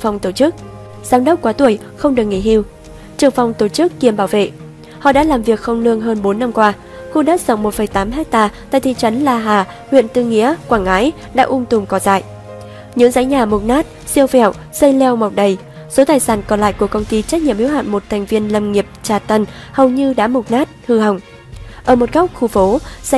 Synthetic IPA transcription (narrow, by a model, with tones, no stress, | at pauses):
fa˨˧˩wŋ͡mt̪o˧˩t͡ɕɨ˦˥k̚ | z̥aː˨˦mɗə˦˥wk͡p̚kwaː˨˦t̪u˧˩əj | xə˧wŋ͡mɗɨ˨˩ək̚ŋḭ˧˩hi˧w | t͡ɕɨ˨˩əŋfa˨˧˩wŋ͡mt̪o˧˩t͡ɕɨ˦˥kːi˧˩əmɓaː˧˩wvḛ˧˨ | hɔ̰˧˨ɗa̰ː˧˥laː˨˩mvi˨˩ək̚xə˧wŋ͡mlɨ˧əŋɦəː˧nɓo˨˦nːa˧mkwaː˧ | xu˧ɗaː˦˥z̥ə̰˧wŋ͡mmo˨˩t̚fə˨˩jt̪aː˨˦mɦɛ˦˥k̚t̪aː˧t̪a̰ː˧˨t̪ʰi˧˨t͡ɕə˨˦nlaː˧˩ɦaː˨˩ | hwḭ˧˨ənt̪ɨ˧ŋḭ˧˥əkwaː˧˩ŋŋaː˨˦j | ɗa̰ː˧˥ʔʊ˧ŋ͡mt̪ʊ˨˩ŋ͡mkɔ˨˩za̰ː˧˨j | ɲɨ̰˧˥ŋza̰ː˨˦jɲaː˨˩mʊ˨˩t̚naː˦˥t̚ | si˧əwfɛ˧˩˨w | zə˧jlɛ˧wm˨˩wk͡p̚ɗə˨˩j | so˨˦t̪aː˨˩jsaː˧˩nkɔ˧˩la̰ː˧˨jku˧˩əkə˧wŋ͡mt̪i˧t͡ɕa˦˥k̚ɲḭ˧˨əmhi˧˦ha̰ː˧˨nmo˨˩t̚t̪ʰɛ˨˩ŋ̟vi˧ənlə˨˩mŋi˨˩əp̚t͡ɕaː˨˩t̪ə˧n | hə˨˩wɲɨ˧ɗa̰ː˧˥mʊ˨˩t̚naː˦˥t̚hɨ˧ɦa˨˩wŋ͡m | ʔəː˧˩mo˨˩t̚ɣa˦˥wk͡p̚xu˧˩fo˨˦˧